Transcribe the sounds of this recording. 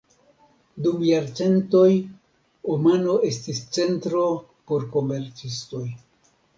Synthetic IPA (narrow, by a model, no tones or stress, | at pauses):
dumjaɾt͡se̞nto̞j | omano̞e̞stist͡se̞ntɾo̞ | po̞ɾko̞me̞ɾt͡sisto̞j